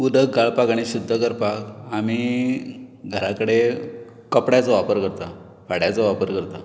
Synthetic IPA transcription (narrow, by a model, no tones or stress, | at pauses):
ud̪ək̚ɡaɭpakaɽ̃iɕud̪ʱːəkəɾpakami | ɡʱəɾakəɽe | kəpɽat͡sɔʋapəɾkəɾt̪a | fʰaɽjat͡sɔʋapəɾkəɾt̪a